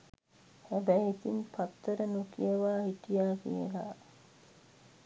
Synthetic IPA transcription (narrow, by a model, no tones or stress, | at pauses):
hæbæjit̪inpat̪ːəɾənukijəʋaːɦiʈijaːkḭjə̰la̰